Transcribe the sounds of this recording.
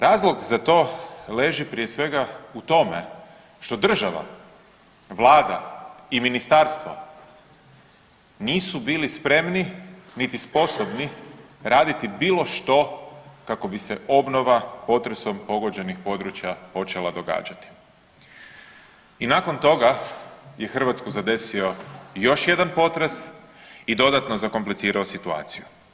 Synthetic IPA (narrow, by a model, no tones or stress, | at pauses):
ɾaːzlˠo̞ɡzat̪o̞ːle̞ʒipɾije̞sʋe̞ɡaut̪o̞me̞ | ʃt̪o̞d̪r̩ʒaʋa̰ | ʋlˠaːd̪a̰iminist̪aɾst̪ʋa̰ | niːsubiːlispɾe̞mninit̪ispo̞sobni | ɾaːd̪it̪ibiːlo̞ʃt̪o̞kako̞bise̞ʔo̞bno̞ʋapo̞t̪ɾeso̞mpo̞ɡo̞d͡ʑe̞nixpo̞d̪ɾut͡ɕjapo̞t͡ʃe̞lˠad̪o̞ɡa̰ːd͡ʒat̪i̥ | inako̞nt̪o̞ɡaje̞xr̩ʋat̪skuzad̪e̞sio̞jo̞ʃje̞d̪anpo̞t̪ɾes | id̪o̞d̪at̪no̞zako̞mplit̪siːɾaosit̪ua̰ːt̪siju